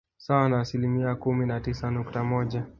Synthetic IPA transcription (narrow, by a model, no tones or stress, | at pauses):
sawanaːsilimiakuminatisanuktamɔʄa